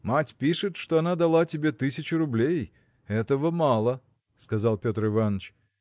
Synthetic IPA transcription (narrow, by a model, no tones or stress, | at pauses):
matʲpʲiʂɨt̪ʂt̪o̞ɐnad̪ɐlˠatʲɪbʲe̞t̪ɨsʲɪt͡ɕʊɾʊblʲej | ɛt̪əvəmalˠə | skɐzalˠpʲo̞t̪rɨvanːət͡ɕ